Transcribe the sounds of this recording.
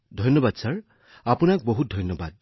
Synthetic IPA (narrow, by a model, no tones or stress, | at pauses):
dʱɔjnːɔbadsaɹ | apunak̚boɦut̚dʱɔjnːɔbad̚